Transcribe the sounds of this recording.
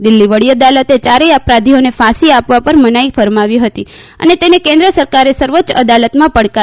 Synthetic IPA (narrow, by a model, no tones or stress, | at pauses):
d̪ɪlːiʋəɽiəd̪alət̪et͡ʃaɾeapɾad̪ʱionefãsiapʋapəɾmənaifəɾmaʋiɦət̪i | ə̰net̪enekẽnd̪ɾəsəɾkaɾesəɾʋəːt͡ʃəd̪alət̪mãpəɽka